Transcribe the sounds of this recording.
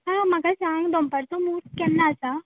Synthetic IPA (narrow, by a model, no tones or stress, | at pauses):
ãmakasãŋɡd̪ɔmpəɾt̪omuːɾkɛnːaːsa